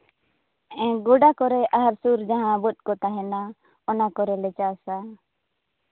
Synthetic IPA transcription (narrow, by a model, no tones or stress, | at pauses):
ɛ̃ɡɔɖakɔɾɛʔaɦaɾsuɾd͡ʒaɦãbɔt̪̚ˀkɔt̪aɦɛna | ɔnakɔɾɛlɛt͡ʃasa